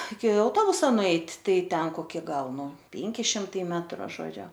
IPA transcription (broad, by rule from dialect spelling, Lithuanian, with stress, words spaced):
ɪkʲɪ ɐʊˈtoːbʊsɐ nʊˈɛɪtʲ ˈtɐɪ ˈtʲɛn koːˈkʲɪ ˈɡɐlˠ ˈnʊ ˈpʲeːŋʲkʲɪ ˈʃʲɪmtɐɪ ˈmʲæːtrʊ ʒoːˈd͡ʒʲʊ